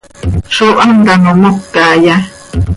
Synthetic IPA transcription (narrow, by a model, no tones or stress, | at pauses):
ʂoʔand̪anõmokːaja